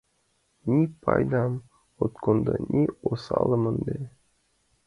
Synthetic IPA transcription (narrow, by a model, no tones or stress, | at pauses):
nʲipɑ̰jd̪ɑm | ot̪kond̪ɤnʲʔiosɑlˠɤmɤnd̪e